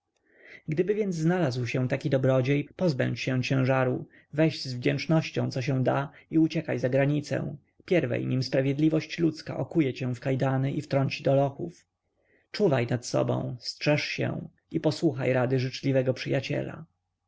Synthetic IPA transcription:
ɡd̪ɘbɘvʲjɛnd̪zznalazwɕɛ̃t̪akʲid̪ɔbɾɔd͡ʑejpɔzbɛ̰̃ɲt͡ɕɕɛ̃w̃t͡ɕɛ̃w̃ʐaɾu | vɛʑzvd͡ʑɛnt͡ʂnɔɕt͡ɕɔ̰̃w̃t̪sɔɕ̬ɛw̃d̪aiut͡ɕɛkajzaɡɾaɲit̪sɛ̰̃ | pʲjɛɾvɛ̰jɲimspɾavʲjɛd̪lʲivɔɕt͡ɕlut̪ska̰ʔɔkujɛt͡ɕɛ̃fkajd̪anɘʔift̪ɾɔɲt͡ɕid̪ɔlɔxṵf | t͡ʂuvajnat̪sɔ̰bɔ̰̃w̃stʂɛʂɕɛ̰w | ipɔswuxajɾad̪ɘʐɘt͡ʂlʲivɛɡɔpʂɘjat͡ɕɛ̰la̰

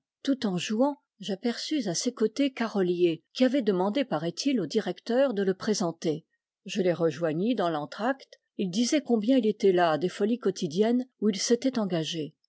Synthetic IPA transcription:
t̪ut̪ɑ̃ʒuɑ̃ | ʒapɛʁsyzasekot̪ekaʁɔljekʲiavɛd̪əmɑ̃d̪epaʁɛt̪ʰilod̪iʁɛkt̪œʁd̪ələpχezɑ̃t̪e | ʒəleʁəʒwaɲid̪ɑ̃lɑ̃t̪χakt̪ | ild̪izɛkɔ̃bjɛ̃ilet̪ɛlad̪efɔlikɔt̪ʰid̪jɛnuilset̪ɛt̪ɑ̃ɡaʒe

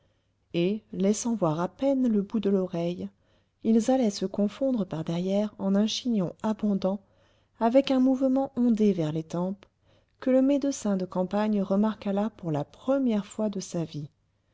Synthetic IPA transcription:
elɛsɑ̃vwaʁapɛnləbud̪əlɔʁɛj | ilzalɛsəkɔ̃fɔ̃d̪ʁəpaʁd̪ɛʁjɛʁɑ̃nɛ̃ʃiɲɔ̃abɔ̃d̪ɑ̃ | avɛkɛ̃muvmɑ̃ʔɔ̃d̪evɛʁlet̪ɑ̃p | kələmed̪əsɛ̃d̪əkɑ̃paɲʁəmaʁkalapuʁlapχəmjɛʁfwad̪əsavi

